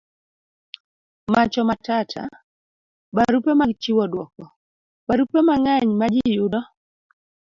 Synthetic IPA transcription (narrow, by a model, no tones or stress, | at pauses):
mat͡ʃɔmatatʰa̰ | baɾupemaɡt͡ʃiwɔdwɔkɔ | baɾupemaŋaɲmad͡ʒɪjʊdɔ